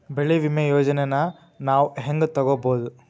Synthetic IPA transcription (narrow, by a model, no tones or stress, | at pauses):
beɭiʋimɐjoːd͡ʒɐnenɐ | naːʋuɦeŋɡt̪ɐɡoboːd̪u